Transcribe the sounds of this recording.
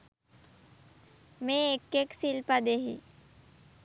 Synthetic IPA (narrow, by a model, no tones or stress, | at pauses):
mẽekːeksilpad̪eɦḭ